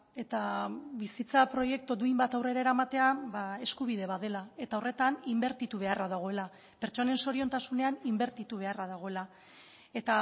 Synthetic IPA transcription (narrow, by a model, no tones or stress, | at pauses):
e̞t̪aβisit͡sapɾo̞je̞k̚t̪od̪uimbat̪awre̞ɾaeɾamat̪e̞abae̞skuβ̞ið̞e̞βaðelae̞t̪awre̞t̪animbeɾt̪it̪uβ̞e̞araðaɣ̞o̞e̞la | pe̞ɾt͡ʃo̞ne̞nso̞ɾio̞nt̪asune̞animbe̞ɾt̪it̪uβ̞e̞araðaɣ̞o̞e̞la | e̞t̪a